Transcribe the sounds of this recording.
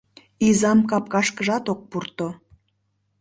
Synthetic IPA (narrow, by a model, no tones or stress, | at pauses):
izɑmkɑp̚kɑʃkəʒɑt̪ok̚purt̪o